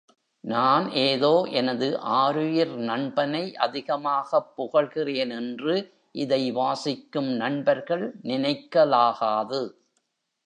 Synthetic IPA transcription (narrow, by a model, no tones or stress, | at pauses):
naːnʔeːðoːʔɛnɐðɯʔaːɾɯjɪɾnɐɳbɐnɐɪʔɐðɪɣɐmaːɣɐpːʊɣɐɭɣɪreːnɛndrɯ | ʔɪðɐɪʋaːsɪkːɯmnɐɳbɐɾɣɐɭnɪnɐɪkːɐlaːɣaːðɯ